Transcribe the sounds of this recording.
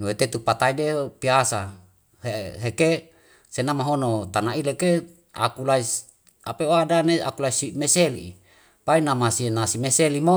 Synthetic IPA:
nuwet̪et̪upat̪aidepiasa | heɦeke | senamaɦonot̪anaileke | a̰kulais | apeoadanea̰kulaisimeselḭ | painamasienasimeselimo

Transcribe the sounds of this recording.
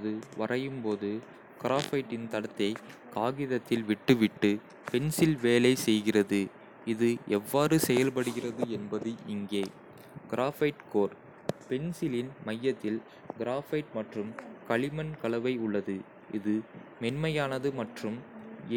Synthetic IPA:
ðɯʋɐrɐjɯmpoːðɯ | ɡ̥ɪɾaːfɐɪʈːɪnt̪ɐɽɐt̪ːɐɪkaːɣɪðɐt̪ːɪlʋɪʈːɯʋɪʈːɯ | pɛnsɪlʋeːlɐɪsɛjɣɪrɐðɯ | ɪðɯʔɛʋːaːɾɯsɛjɐlpɐɽɯɣɪrɐðɯɛnbɐðɯɪŋɡeː | ɡ̥ɪɾaːfɐɪʈkoːɾ | pɛnsɪlɪnmɐjːɐt̪ːɪl | ɡɪɾaːfɐɪʈmɐʈrɯmkɐɭɪmɐnkɐɭɐʋɐɪʊɭːɐðɯ | ʔɪðɯ | mɛnmɐjaːnɐðɯmɐʈrɯm

